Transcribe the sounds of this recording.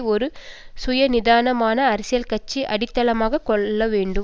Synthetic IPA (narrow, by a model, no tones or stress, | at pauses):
ɔɾɯsʊjɐnɪðaːnɐmaːnɐːɾɪsɪjɐlkɐt͡ʃːiʔɐɽɪt̪ːɐlɐmaːɣɐkɔːɐʋeːɳɖɯ